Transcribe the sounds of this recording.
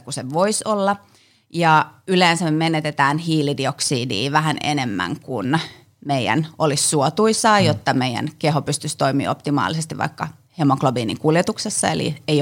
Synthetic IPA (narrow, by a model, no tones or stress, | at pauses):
kuseʋoisolːɑ | jɑyleːnsæmemenet̪et̪æːnhiːlidioksiːdḭːʋæɦænḛnemːæ̰ŋkun | meiæ̰nʔolisːuot̪uisɑːjot̪ːɑmeijæ̰nkeɦopyst̪yst̪oimḭːopt̪imɑ̰ːlisest̪iʋʔɑ̰ikːɑ | hemoklobiːnḭkuljet̪uksesːɑḛlḭeij